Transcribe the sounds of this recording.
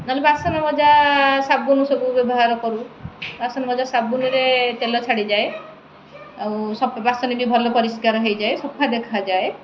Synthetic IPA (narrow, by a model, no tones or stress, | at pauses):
nɔlebasɔnamɔd͡ʒasabunusɔbubɔbɔɦaɾɔkɔɾubasɔnamɔd͡ʒasabuniɾet̪elɔt͡ʃʰaɽid͡ʒae | awsɔpbasɔniɖibʱɔlɔpɔɾiskaɾɔɦejd͡ʒaesɔpʰad̪ekʰad͡ʒae